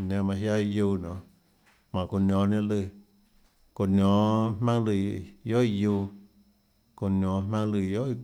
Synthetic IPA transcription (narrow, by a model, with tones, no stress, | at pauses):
nã˧mã˧˨ɦja˦i˧juː˦˧˨nɔ̃˨ | mã˨ko˧nʲɔ̃ː˨˦nã˦lɨ˧˨ | ko˧˨nɔ̃ː˨˦m̥mã˦ŋlɨ˧˨jo˦ʔi˦˧juː˦˧˦ | ko˨nʲɔ̃ː˨˦mã˦ŋlɨ˧˨jo˦ʔi˧